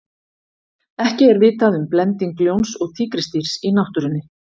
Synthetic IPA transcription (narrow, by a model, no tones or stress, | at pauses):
ɛhcɪɛɾvɪːt̪aðʏmplɛnt̪iŋkljownsɔɣt̪ʰiːkɾɪst̪iɾ̥sinawht̪ʏɾʏnːɪ